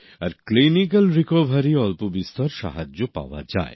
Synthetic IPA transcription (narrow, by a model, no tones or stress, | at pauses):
aɾklinik̬ɐlɾikɔʋʱaɾiɔlpobist̪ɔɾʃa̰ɦad͡ʒopa̰wa̰d͡ʑa̰e